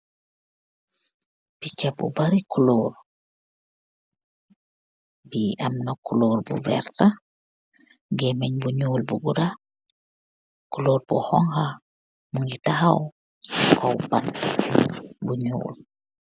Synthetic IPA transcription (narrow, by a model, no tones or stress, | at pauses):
b̥it͡ʃabṵbaɾikuloːɾ | biamnakuloːɾbṵvɛ̰ɾta | ɡemeɲbuɲuːlbuɡuda | kuloːɾbɔ̰hɔŋha | muŋɡitahaw | kʰo̰wban | buɲṵːl